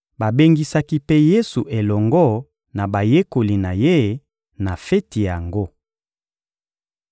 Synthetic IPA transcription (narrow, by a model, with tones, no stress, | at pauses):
ba˨be˦ŋɡi˦sa˦ki˦pe˦je˦su˨ʔe˨lɔ˨ŋɡɔ˦ | na˨ba˨je˦ko˨li˨na˨je˦ | na˨fe˦ti˨ja˨ŋɡo˦